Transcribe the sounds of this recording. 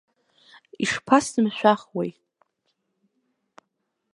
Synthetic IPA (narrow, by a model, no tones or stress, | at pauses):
iʂpʰasdɨmʃʷᶣaχwej